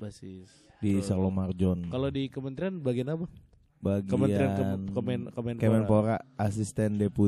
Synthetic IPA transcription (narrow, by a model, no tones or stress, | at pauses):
basɪs | disarlomard͡ʒɔnkalodikəmənt̪ɾianbaɡianaba | baɡkəməntaɾiannmɛnkomɛnkamɛnpoɾaasist̪ɛndepu